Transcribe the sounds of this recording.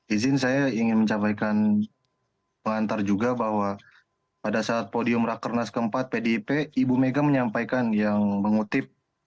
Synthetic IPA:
izɪnsajaiŋɪnməɲt͡ʃapajkan | məŋant̪ard͡ʒuɡabahwa | padasaːt̪̚podiʊmrakərnaskəmpat̪̚pedipeibumeɡaməɲampajkanjaŋbəŋut̪ɪp̚

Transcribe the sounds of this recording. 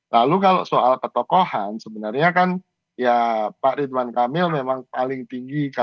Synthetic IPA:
lalukalo̰soʔalpət̪ɔkohansəbənarɲakan | japaʔɾid̪wankamɪlmemaŋpalɪŋt̪iŋɡika

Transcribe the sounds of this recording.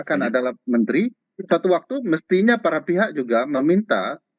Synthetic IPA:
kanadalamənt̪ɾi | sat̪uwak̚t̪uməst̪iɲapaɾapiɦak̚d͡ʒuɡaməmint̪a̰

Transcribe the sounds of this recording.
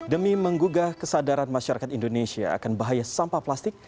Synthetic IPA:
dəmiməŋɡuɡakəsadaɾanmaʃaɾakat̪indonesia̰a̰kanbaɦajasampaplast̪ɪk̚

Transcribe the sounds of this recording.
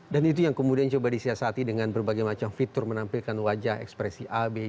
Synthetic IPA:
danit̪̬ujaŋkəmudiant͡ʃubadisiasat̪idəŋanbərbaɡajmat͡ʃamfit̪ʊrmənampilkanwad͡ʒaɦɛ̰kspɾɛsiʔabe

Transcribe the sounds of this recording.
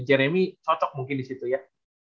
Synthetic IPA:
d͡ʒeɾemit̪ʰɔtɔk̚muŋkinisit̪uja

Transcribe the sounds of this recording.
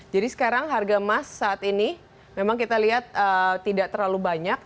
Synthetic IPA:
d͡ʒadisə̥kaɾaŋɦarɡamasːaːt̪ini | memaŋkit̪aliɦat̪̚ət̪idaʔt̪ərlalubaɲak̚

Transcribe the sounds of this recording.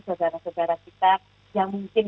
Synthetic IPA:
sodaɾasodaɾakit̪a | jaŋmuŋkɪn

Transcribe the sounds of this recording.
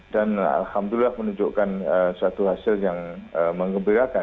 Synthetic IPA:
dana̰lhamdulilahmənũɲd͡ʒoʔkanəsat̪uɦasɪljaŋəmə̃ŋɡəmbiɾaka

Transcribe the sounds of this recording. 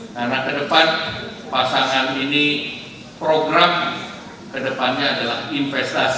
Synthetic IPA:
karnakədəpan | pasaŋanini | pɾoɡɾam | kədəpanɲaːdalahinfɛst̪as

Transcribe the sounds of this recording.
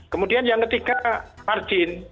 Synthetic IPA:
kəmudianjaŋkət̪ikamard͡ʒɪn

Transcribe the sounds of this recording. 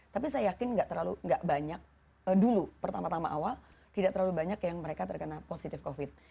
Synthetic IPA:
t̪apisajajakɪnŋɡaʔt̪ərlaluŋɡaʔbaɲak̚ | ədulupərt̪amat̪amaʔawal | t̪idaʔt̪əɾlalubaɲakjaŋməɾekat̪ərkənaposit̪ɪfkofɪt̪̚

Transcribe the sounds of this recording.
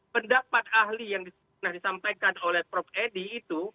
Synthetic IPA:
pəndapat̪̚ahlijaŋdis | nahdisampajkanolɛhpɾɔp̚ediːt̪u

